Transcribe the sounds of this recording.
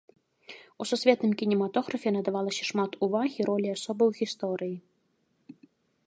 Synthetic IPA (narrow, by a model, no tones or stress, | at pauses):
ususʲvʲɛt̪nɨmkʲinʲimat̪ɔɣɾɐfʲɛnɐd̪avalˠɐsʲɐ̥ʂmat̪ʰuvaɣʲiɾɔlʲiasɔbɐwɣʲist̪ɔɾɨji